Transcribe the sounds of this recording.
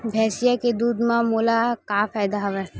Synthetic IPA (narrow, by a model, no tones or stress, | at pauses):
bʱɛːsijaked̪uːd̪mãmoːlakaːfaːjd̪aɦɐʋɛː